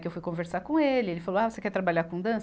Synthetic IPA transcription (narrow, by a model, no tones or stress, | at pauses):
kɪewfujkõveɾsaɾkõelɪelɪfaloavosekɛɾt̪ɾabaʎaɾkõd̪ɐ̃s